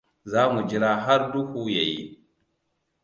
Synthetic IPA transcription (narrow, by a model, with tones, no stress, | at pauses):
zaː˦mu˨d͡ʒi˦ɾa˦ɦa˦ɾdu˦hu˦ja˨ji˦